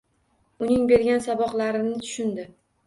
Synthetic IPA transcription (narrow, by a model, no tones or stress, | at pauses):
ʊnɪŋbe̞ɾɡʲansabɒqlaɾɪnɪt̪ʰʊ̥ʃɪnd̪ɪ